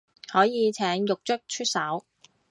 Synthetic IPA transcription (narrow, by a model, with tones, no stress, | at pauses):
hɔː˨˥jiː˨˧t͡sʰɛː˨˥ŋjʊ˨k̚t͡ʃɵ˥k̚t͡ʃʰɵ˥t̚sɐ˨˥w